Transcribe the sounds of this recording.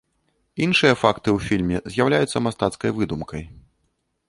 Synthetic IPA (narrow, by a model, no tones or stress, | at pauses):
inʂɨjɐfakt̪ɨwfʲilʲmʲɛzʲjawlʲajut̪sːɐmast̪at̪skɐjvɨd̪umkʰɐj